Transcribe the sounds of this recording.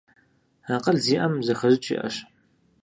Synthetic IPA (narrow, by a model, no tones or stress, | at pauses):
aːqɐɮziːʔɐmzɐxɐʑɪt͡ʃʼḭːʔɐ̰ɕ